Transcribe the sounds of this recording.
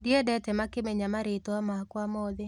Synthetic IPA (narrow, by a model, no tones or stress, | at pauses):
diɛdɛtɛmakemɛɲamaɾetwamakwamɔðe